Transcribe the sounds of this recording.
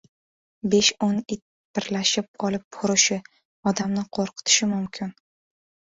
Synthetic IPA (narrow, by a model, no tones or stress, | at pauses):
be̞ʃonɪt̪ | b̥ɪɾlaʃɪp̚ɒlˠɪp̚ːʰʊɾɪʃɪ | ɒd̪amnɪqʰoɾqʰɨ̥t̪ʰɪ̥ʃɪmʊmkʲʰɪn